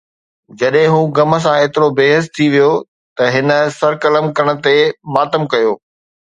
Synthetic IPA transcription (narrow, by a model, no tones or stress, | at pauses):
d͡ʑɐɗɦɪ̃ɦuːɡɐmə̆s̬ãeːt̪ɪɾobeːɦəst̪ʰiʋijo | t̪ɐɦɪnə̆sɐɾkɐləmkɐɾəɽ̃ə̆t̪emaːt̪əmkɐjoː